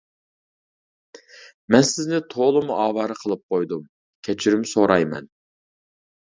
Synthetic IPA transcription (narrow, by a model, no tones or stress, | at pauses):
mɛnsɪznɪt̪ʰolˠɨmuʔɑːwɑɾɨqʰəlˠɨp̚qʰojd̪um | kʲʰɛt͡ʃʰiɾymsoɾɑjmɛ̰n